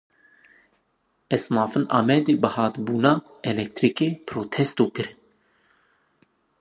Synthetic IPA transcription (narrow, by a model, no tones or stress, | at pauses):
ɛsnɑːfɨnʔɑ̰ːmɛd̪eːbəhɑːt̪buːnɑː | ɛlɛk̚t̪ɾikepʰɾoːt̪ʰɛst̪oːkɨɾ